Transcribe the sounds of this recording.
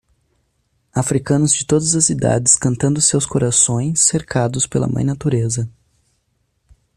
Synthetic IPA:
afɾikɐ̃nʊzd͡ʒɪt̪od̪ɐzɐsid̪a̰d͡ʒɪskɐ̃nt̪ɐ̃nd̪ʊsewskoɾasõj̃sːeɾkʰad̪ʊspelɐ̰mɐ̰̃j̃nat̪uɾezɐ

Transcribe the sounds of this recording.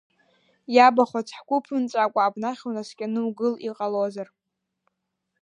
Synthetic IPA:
jabaχat͡sʰħkʷʰʊpʰɨnt͡sʼakʷʼaːbnaχʲonaskʲʼanɨwɡɨliqʼalozar

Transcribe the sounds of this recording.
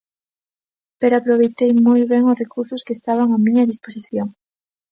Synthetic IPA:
peɾoapɾoβ̞ejt̪ejmojβeŋʊsrekuɾsʊskeːst̪aβ̞aŋamĩɲɐðisposiθjoŋ

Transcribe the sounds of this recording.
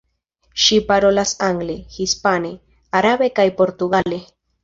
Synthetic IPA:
ʃipaɾo̞lasaŋɡlehispane | aɾabe̞kajpo̞ɾtuɡale̞

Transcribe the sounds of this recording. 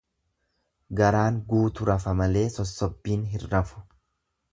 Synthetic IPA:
ɡɐɾaːŋɡuːt̪ʊɾɐfɐmɐle̞ːsɔsːɔbːiːnɦɪrːɐfʊ̥

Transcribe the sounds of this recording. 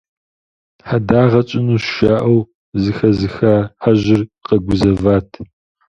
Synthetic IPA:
ħadaːʁɐt͡ʃʼɪnuːʃaːʔɐw | zɨxɐzɨxaːħaʑɪrqɐɡʷʊzɐvaːtʰ

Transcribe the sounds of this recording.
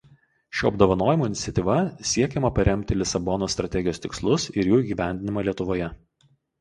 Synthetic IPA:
ʃʲuːɐbd̪oːʋɐnoːjɪmoːɪnʲɪt̪ʲɛt̪ʲiːʋɐsʲiɛkʲɛmɐpɐɾʲɛmʲt̪ʲɪlʲɪsɐbɔnoːst̪ɾɐt̪ʲɛɡʲɪjoːst̪ʲɪkslˠʊsɪɾjuːiɡʲiːʋʲæˑnʲd̪ʲɪnʲɪmɑːlʲiɛt̪ʊʋoːjɛ

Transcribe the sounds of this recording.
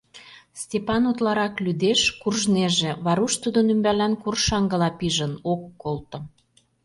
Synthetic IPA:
stʲepɑnut̪lɑɾɑklyd̪eʃkurʒneʒeβɑɾuʃt̪ud̪onymbælænkurʃɑŋɡə̆lɑpiʒənokːolt̪ŏ

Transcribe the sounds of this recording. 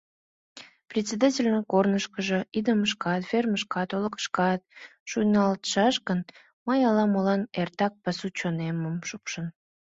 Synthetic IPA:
prʲet̪ʲt͡sʲed̪ɑtʲelʲnəkornəʃkəʒəʔid̪əməʃkɑt̪fʲerməʃkɑt̪oləkə̥ʃkɑt̪̚ʃujnɑlt̪ʃɑʃkən | məjɑlɑmolɑnert̪ɑk̚pɑsut͡ɕoneməmʃupʃən

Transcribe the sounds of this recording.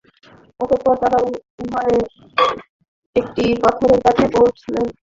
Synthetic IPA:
ɔt̪opɔɾt̪aɾauɦaɾe | ek̚ʈipat̪ʰoɾeɾkat͡ɕʰepowt͡ɕʰilen

